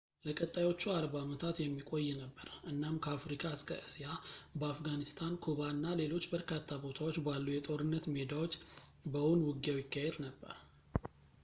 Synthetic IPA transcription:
ləkʼət̪ʼːajwo̞t͡ʃːuaɾbamət̪ʰat̪jɛmːikʼo̞jːɛnəbːəɾɨnːamkʰəafɾikʼaɨskʰə̰ʔɨsijabəafɡanist̪ʰankʰuβanːale̞lo̞t͡ʃːbəɾkʰat̪ʰːabo̞t̪ʰawot͡ʃːbalːujɛt̪ʼo̞ɾɨnːət̪med̪awo̞t͡ʃːbəwunwʊɡjawjɪkːajɛɾnəbːə̰ɾ

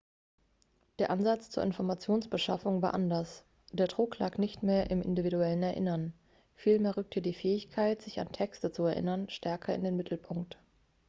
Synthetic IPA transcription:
d̥eːɐʔanzat͡st͡suːʔɪnfɔɐmat͡sjoːnsb̥əʃafʊŋvaːɐʔandɐs | d̥eːɐdʁʊklaːknɪçtmeːɐʔɪmʔɪ̰ndividuɛlənɛɐʔɪ̰nɐn | fiːlmeːɐʁʏk̚tʰədiːfɛːɪçkʰaɪtz̥ɪça̰ntʰɛkstət͡suɛɐʔɪ̰nɐnʃtʰɛɐkʰɐɪ̰ndeːnmɪtʰl̩pʰʊŋk̚t

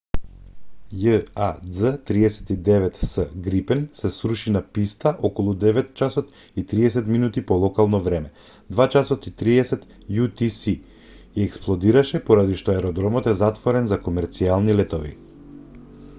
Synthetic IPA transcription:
jəazət̪ɾiɛsɛ̥t̪id̪ɛvɛt̪səɡɾipɛnsɛsɾuʃinapist̪aʔɔkɔlˠud̪ɛvɛt̪t͡ʃasɔt̪ | it̪ɾiɛsɛt̪minut̪ipɔlˠɔkalˠnɔvɾɛmɛ | d̪vat͡ʃasɔt̪it̪ɾiɛsɛt̪ | jut̪isi | iɛksplˠɔd̪iɾaʃɛpɔɾad̪iʃt̪ɔɛɾɔd̪ɾɔmɔt̪ɛzat̪vɔɾɛnzakɔmɛɾt̪sialˠnilɛt̪ɔvḭ

